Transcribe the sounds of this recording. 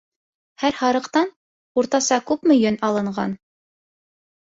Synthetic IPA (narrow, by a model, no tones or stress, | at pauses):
hæɾhɑɾɤ̆qt̪ɑn | uɾt̪ɑsɑkʉpmɵ̆jɘnɑlˠɤ̆ɴɢɑn